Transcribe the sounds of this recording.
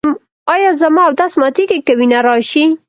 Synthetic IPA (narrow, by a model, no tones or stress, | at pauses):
m | ɑjɑzamɑawd̪asmɑt̪ikekawinaɾɑʃi